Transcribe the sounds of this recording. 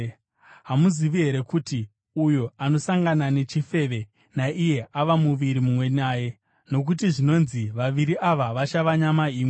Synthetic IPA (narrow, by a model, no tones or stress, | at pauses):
ɦamuziʋiɦe̞ɾe̞kuti | ujoano̞saŋɡanane̞t͡ʃife̞ʋe̞ | naʔije̞ʔaʋamuʋiɾimumwe̞naːje̞ | no̞k̬ut̬iʐino̞nziʋaʋiɾiʔaʋaʋat͡ʃaʋaɲamaiːmwe